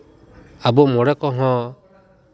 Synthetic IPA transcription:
abɔmɔɽɛkɔɦɔ̃

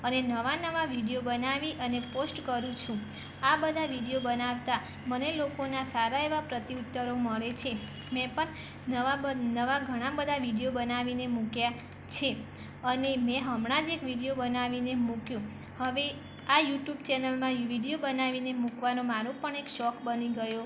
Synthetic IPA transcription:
ənenəʋanəʋaʋiɽijobənaʋiʔəneposʈkəɾũt͡ʃʰũ | abəd̪ʱaʋiɽijobənaʋt̪a | mənelokonasaɾaeʋapɾət̪iut̪ːəɾoməɭet͡ʃʰe | mɛ̃pəɳ | nəanəʋaɡʱəɽ̃ãbəd̪ʱaʋiɽijobənaʋinemũkja | t͡ʃʰe | ənemɛ̃ɦəmɽ̃ad͡ʒekʋiɽijobənaʋinemũkjũ | həʋe | ajuʈjubt͡ʃɛnəlmãʋiɖijobənaʋinemũkʋanomaɾõpəɳekʃɔkbəniɡəjo

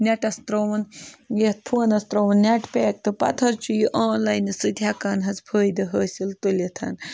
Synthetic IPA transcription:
nʲɐʈɐst̪ɾoʋɐnjet̪̚pʰoːnɐst̪ɾowɐnnʲɐʈpʲeːk̚t̪ɨpɐ̰t̪ʰɐɾt͡ʃujiʔaːnlaːjnɨsɨd̪ʱjaːkaːnɦɐzpʰəːjd̪ɐɦəːsʲilt̪ulʲit̪ʰɐ̰n

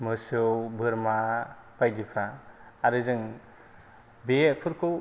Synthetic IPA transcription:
mɯsɯwbɯɾma | pajdipʰɾa | aɾɯzɯŋ | bepʰɯɾkʰo

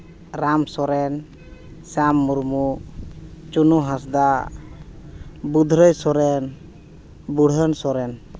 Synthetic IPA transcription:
ɾamsɔɾɛn | samːuɾmu | t͡ʃunuɦãsd̪a | bud̪ʱɾəjsɔɾɛn | buɽ̤ʱənsɔɾɛn

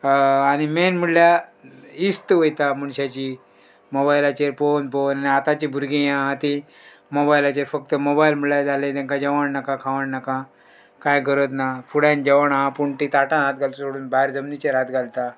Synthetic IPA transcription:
añimenm̤uɽlja | ist̪ʋojt̪amuɳɕat͡ɕi | mobajlat͡ɕeɾponpownaniat̪at͡ɕibʱuɾɡĩjãat̪i | mobailat͡ɕeɾfək̚t̪əmobailm̤uɽljad͡zalẽd̪ɛ̃ŋkad͡ʑəʋaɳnakãkʰaʋəɳnakã | kãjɡʱəɾət̪nafuɽãnd͡ʑəʋəɳaɦãpuɳʈ̪it̪aʈãnat̪ɡʱalt̪osoɽuːnbaɦeɾd͡zəmnit͡ɕeɾat̪ɡʱalt̪a

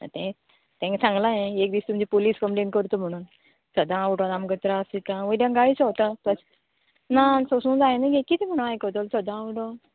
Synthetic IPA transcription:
a̰t̪ɛ̃ | t̪ɛ̃ŋksãŋɡlãjẽekd̪iːst̪uməd͡ʑipoliːskəmʈẽnkəɾt̪om̤əɽ̃uːn | səd̪ãʋɖɔ̃namɡət̪ɾasit̪ãʋədjãŋɡait͡sɔt̪apəs | nasosũːnd͡zajnəɡekit̪ʰim̤əɽ̃ũnajkət̪olsəd̪ãʋʈo

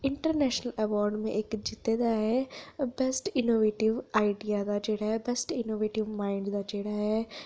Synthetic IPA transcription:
ɪ̃ɳʈəɾnɛːʃnəlɛʋɔːɾɖmḛ̃ʔekd͡ʒɪt̪ːed̪aɦɛbɛsʈɪnoːʋeːʈɪʋaːɪɖijad̪ad͡ʒeːɽaɦɛbɛsʈɪnoːʋeːʈɪʋmaːɪɳɖd̪ad͡ʒeːɽaɦɛ

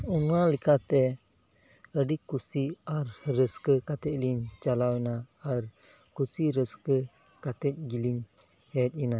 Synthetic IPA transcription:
unualikʰat̪ɛ | əɖikusiaɾɾəskəkat̪ɛc̚liɲt͡ʃalawinaːɾ | kusiɾəskə | kat̪ɛc̚ɡiliɲ | hɛt̪̚ina

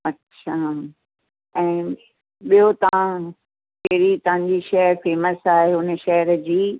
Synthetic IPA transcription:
ɐtːɕʰa | ɛ̃ː | ɓijot̪ɐʋã | kɐɦɾit̪ɐʋ̤ãɲ̆d͡ʑiʃɐɦəɾfeːməsaːɦeɦʊnə̆ʃɐɦəɾd͡ʑiː

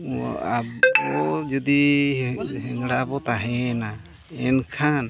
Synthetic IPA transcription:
aɔd͡ʒɔd̪i | ɦɛŋɽabɔt̪aɦɛna | ɛnkʰan

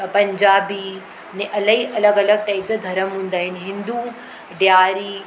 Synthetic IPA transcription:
pɐ̃ɲd͡ʒaːbi | nẽʔɐləɦiʔɐləɡɐləɡ̚ʈaɪd͡ʑəd̪ʱɐɾəmɦũːnd̪aːɦɪnɦɪ̃nd̪u | ɖjaːɾi

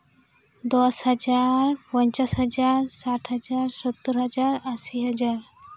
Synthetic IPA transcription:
d̪ɔshʌd͡ʒaɾpɔɲt͡ʃasɦʌd͡ʒaɾsaʈʰɦəd͡ʒaɾsɔt̪ːɔɾɦʌd͡ʒaɾəsiɦʌd͡ʒaɾ

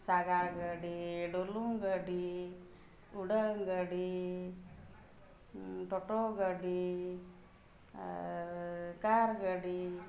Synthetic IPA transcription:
saɡaɽɡəɖiɖolumɡəɖi | uɖəŋɡəɖi | ʈɔʈɔɡəɖi | aɾkaɾɡəɖi

